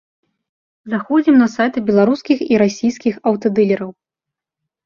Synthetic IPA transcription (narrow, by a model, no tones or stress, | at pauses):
zaxɔd͡zʲimnɐsajt̪ɨbʲɛlˠaɾuskʲixiɾasʲijskʲixɐwt̪ɐd̪ɨlʲɛɾɐw